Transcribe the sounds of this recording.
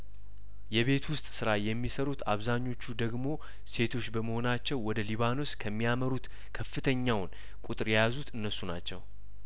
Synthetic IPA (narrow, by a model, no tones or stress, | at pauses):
jɛβe̞t̪wʊst̪ʼsɨɾajɛmːisəɾut̪ʰaβzaɲːo̞t͡ʃːud̪əɡmo̞ | se̞t̪ʰo̞t͡ʃːbəməho̞nat͡ʃːɛwːɔd̪əliβano̞skʰəmːijaməɾut̪ | kʰəfːɨt̪ʰəɲːawn | kʼut̪ʼɨɾjjazut̪ɨnːəsːuna̰t͡ʃːɛ̰w